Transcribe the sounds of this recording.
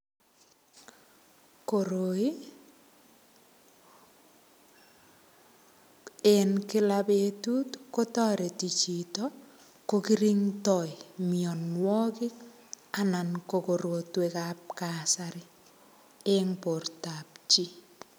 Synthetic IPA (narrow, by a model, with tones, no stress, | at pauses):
koɾoi˦ | enkɪ˦labetu˦tko˦tɔ˦ɾe˨ti˨t͡ʃi˨tɔ | ko˦kiɾiŋtɔimiɔ˨nwɔ˦kɪ˦k | ananko˨ko˨ɾo˨twekap̚kasaɾɪ˦ | eŋpo˨rta˨pt͡ʃi˦